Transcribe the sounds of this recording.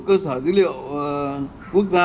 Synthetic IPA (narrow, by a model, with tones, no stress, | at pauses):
kəː˧səː˧˩˦zi˧˦li˧˨ə˨w | ku˦˥ək̚za˧